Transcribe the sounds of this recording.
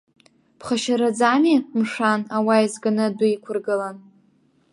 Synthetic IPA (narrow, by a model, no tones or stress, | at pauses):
pʰχaʃaɾad͡zamimʂanawaizɡanɨdʷʊikʷʰʊrɡɨlan